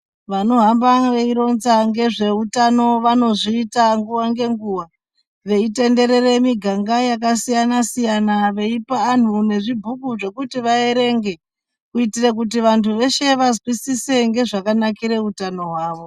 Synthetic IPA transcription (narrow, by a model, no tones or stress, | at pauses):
ʋano̞ɦambaʋe̞iɾo̞nzaŋɡe̞ʐe̞utano̞ʋano̞ʐiːtaŋɡuʋaŋɡe̞ŋɡuːʋa | ʋe̞ite̞nde̞ɾe̞ɾe̞miɡʱaŋɡajakasijanasijanaʋe̞ipaːn̤une̞ʐibʱukuʐe̞kutiʋae̞ɾe̞ŋɡe̞ | kuitirek̬ut̬iʋantʰuʋe̞ʃe̞ʋazwisise̞ŋɡe̞ʐakanakiɾe̞utano̞ɦwaːʋo̞